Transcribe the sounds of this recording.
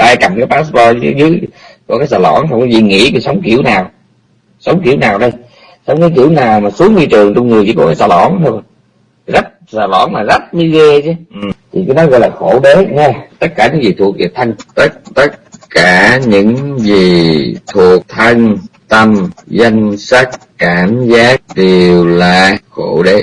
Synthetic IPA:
ʔaː˧jka˨˩mkaː˦jpaː˦˥spɔ˧˦zɨ˨˦jkɔ˧˩kaː˨˦jsaː˨˩lɔ̰˧˩nha˧wŋ͡mkɔ˨˦zḭ˧˨ŋḭ˧˥ku˧˨˩sə˨˦wŋ͡mki˧˩əwnaː˨˩w | sə˨˦wŋ͡mki˧˥əwnaː˨˩wɗə˧j | sa˧wŋ͡mkaː˨˦kḭ˧˩əwnaː˨˩wmaː˨˩su˨˦əŋɲi˧t͡ɕɨ˨˩əŋt͡ɕʊ˧ŋ͡mŋɨ˨˩t͡ɕḭ˧˩kɔ˧˩kaː˨˦jsaː˨˩lɔ̰˧˩nt̪ʰo˧ | zə˦˥t̚saː˨˩lɔ̰˧˩nlaː˨˩zə˦˥t̚ɲɨ˨˧˦ɣe˧t͡ɕɨ˨˦ʔmt̪ʰi˨˩kə˨˦nɔ˨˦jɣɔ̰˧˨jlaː˨˩xo˧˩ɗe˨˦ɲɛ˧t̪ə˦˥t̚kaː˧˩ɲɨ̰˧˥ŋzi˨˩t̪ʰu˨˩ək̚zi˨˩t̪ʰə˧ŋt̪ə˦˥t̚t̪ə˦˥t̚kaː˧˩ɲɨ̰˧˥ŋzi˨˩t̪ʰu˨˩ək̚t̪ʰə˧ŋt̪ə˧mzə˧jŋsa˦˥k̚kaː˧˩mzaː˦˥k̚ɗe˨˩əwlaː˨˩xo˧˩ɗe˨˦

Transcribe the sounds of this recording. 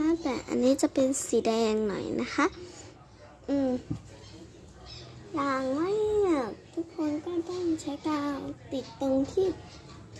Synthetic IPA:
a˦˥˩t̪ɛː˨˩ʔa̰˧nːiː˦˥t͡ɕa˨˧˩pe˧nsiː˨˦dɛː˧ŋnɔ̰˨˩˦jnʔa˦˥kʰa˦˥ʔ | ʔɯː˧m | jaː˨˩ŋwa˦˥˨ja˩˨˩t̪ʰu˦˥kʰːo˧nkɔː˥˩t̪ɔ˥˩ŋt͡ɕʰa˦˥jkaː˧wt̪i˨˩t̪ːo˧ŋt̪ʰiː˥˩

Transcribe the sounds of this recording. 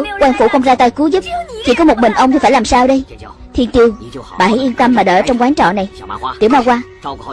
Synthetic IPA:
kwaː˧nfu˧˩xə˧wŋ͡mzaː˧jt̪aː˧jku˨˦zɨ˦˥p̚t͡ɕḭ˧˥kɔ˨˦mo˨˩t̚mï˨˩ŋ̟ʔə˧wŋ͡mt̪i˧˩faː˧˩jlaː˨˩msaː˧wɗə˧j | t̪ʰi˧ənt̪i˧əwɓaː˨˩ha˧˩jʔi˧nt̪ə˧mmaː˨˩ɗə̰ː˧˩˨t͡ɕɔ˧ŋ͡mkwaː˨˦nt͡ɕɔ̰˧˨na˨˩jt̪ḭ˧˩əwmaː˧˩wkwaː˧

